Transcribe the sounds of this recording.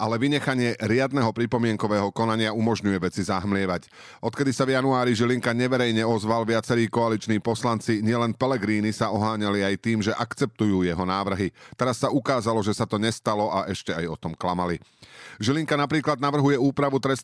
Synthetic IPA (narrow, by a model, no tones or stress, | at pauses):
ʔalɛʋiɲɛxaɲɪɛɾɪad̪nɛɦɔpɾipɔmɪɛŋkɔʋɛːɦɔkɔnaɲɪaumɔʒɲujɛʋɛt͡sizaɦmlɪɛʋac | ɔt̪kɛd̪isavjanuaːɾiʒiliŋkaɲɛʋɛɾɛjɲɛɔzʋalʋɪat͡sɛɾiːkɔalit͡ʃniːpɔslant͡siɲɪɛlɛnpɛlɛɡɾiːnisaɔɦaːɲaliajt̪iːmʒɛʔakt͡sɛp̚t̪ujuːjɛɦɔnaːʋr̩ɦit̪ɛɾasːaukaːzalɔʒɛsat̪ɔɲɛst̪alɔʔaʔɛʃcɛajɔt̪ɔmklamaliʒiliŋkanapɾiːklad̪naʋr̩ɦujɛuːpɾaʋut̪ɾɛst̪